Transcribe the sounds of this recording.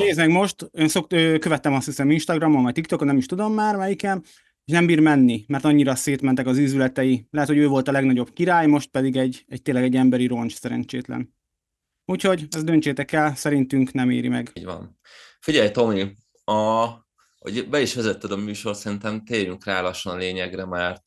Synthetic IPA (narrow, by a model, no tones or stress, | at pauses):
neːzmɛɡmo̞ʃt̪øːnsokøːkøvɛt̪ːɛmɒst̪hisɛminʃt̪ɒɡrɒmomvɒc̚t̪ik̚t̪okonɛmiʃt̪ud̪o̞mːaːrmɛjikɛn | eːʃnɛmbiːrmɛnːimɛrt̪ɒɲːiɾɒseːt̪mɛnt̪ɛkɒzyːzylɛt̪ɛjilɛɦɛt̪ho̞ɟøːvo̞lt̪ɒlɛɡnɒɟo̞bkiɾaːjmo̞ʃt̪̚pɛd̪iɡɛɟɛc̚t̪eːnlɛɡɛɟːɛmbɛɾiɾo̞nt͡ʃsɛɾɛ̰nt͡ʃeːt̪lɛ̰n | uːcho̞ɟɛzd̪ønt͡ʃeːt̪ɛkɛlsɛɾint̪yŋknɛmḛːɾimɛɡɟʋɒ̰n | fiɟɛjt̪o̞mi | ɒ | ho̰ɟbɛiʃʋɛzɛt̪ːød̪ɒmyːʃo̞rt̪sɛɾint̪ɛmt̪eːɾyŋkraːlɒʃːonleːɲɛɡrɛmɛrt̪